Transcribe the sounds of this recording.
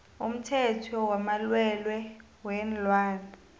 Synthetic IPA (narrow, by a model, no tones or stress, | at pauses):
um̩tʰɛtʰɔwamalwɛlwɛ | wɛːnlwaːna